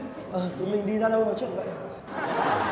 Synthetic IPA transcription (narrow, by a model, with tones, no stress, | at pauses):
ʔəː˨˩t͡ɕɨ˨˦jmï˨˩ŋ̟ɗi˧zaː˧ɗə˧wvaː˨˩wt͡ɕwḭ˧˨ənvə̰˧˨j